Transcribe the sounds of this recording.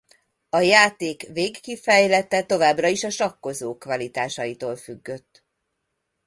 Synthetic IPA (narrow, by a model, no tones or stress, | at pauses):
ɒjaːt̪eːkveːkːifɛjlɛt̪ɛt̪o̞vaːbrɒiʃɒʃɒkːo̞zoːkvɒlit̪aːʃɒjit̪oːlfyɡːø̞t̪ː